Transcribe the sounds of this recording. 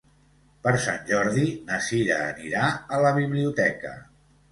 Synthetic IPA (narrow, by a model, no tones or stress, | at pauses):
pəɾsanʲʒɔɾðinəsiɾəːniɾaələβiβliut̪ɛkə̰